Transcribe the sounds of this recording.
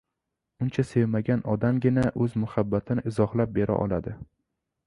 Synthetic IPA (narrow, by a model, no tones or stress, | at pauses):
ʊnt͡ʃʰasevmaɡʲanɒd̪amɡʲɪnaʔɵzmʊhabːat̪ʰɪnɪʔɪzɒhlap̚be̞ɾʔa̰ʔɒ̰lˠa̰d̪ɪ